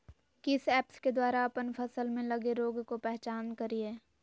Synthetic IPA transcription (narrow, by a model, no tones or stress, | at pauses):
kɪsɛːpsked̪waːɾaɐpənpʰɐsəlmẽlɐɡeɾoːɡkopɛɦt͡ʃaːnkɐɾieː